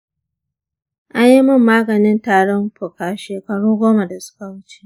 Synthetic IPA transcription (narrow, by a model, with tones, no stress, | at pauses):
ʔa˦ɲji˦mʊ˦mːaː˦ɡɐ˨nɪ˦ntaː˨ɽɔ˦mɸʊ˨kaː˨ʃeː˨kɐ˨ɽuː˦ɡʷoː˦ma˨da˨sʊ̥˦ka˨wʊ˦t͡ʃe̥˦˨